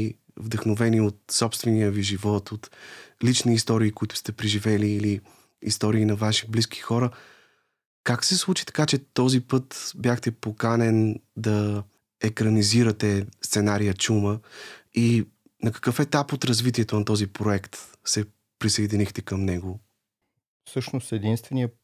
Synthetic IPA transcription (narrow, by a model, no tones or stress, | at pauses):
vd̪ɐxnovɛniot̪̚sɔpst̪vɛnijəviʒivɔt̪ot̪lit͡ʃniːst̪ɔɾiːkoit̪ʊ̥st̪ɛpɾɛʒivɛliːliː | st̪ɔɾiːnɐvaʃi̥bliskʰi̥xɔɾə | kaksɛslˠut͡ʃi̥t̪ɐ̥kat͡ʃɛt̪ɔzipɤt̪bjaxt̪ɛpokanɛnd̪ɐ | ɛkɾɐniziɾət̪ɛst̪sɛnaɾijət͡ʃuməi | nɐkɐ̥kɤfɛt̪apot̪ɾɐzvit̪iɛt̪onɐt̪ɔzipɾoɛkt̪ | sɛ | pɾisɐid̪inixt̪ɛkɐmnɛɡo | fsɤʃnost̪ɛd̪inst̪vɛnijə